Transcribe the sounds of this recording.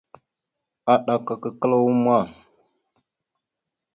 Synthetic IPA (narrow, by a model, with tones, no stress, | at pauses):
a˨ɗa˨ka˨kə˨kə˦la˦wu˦mʷ˦a˦˨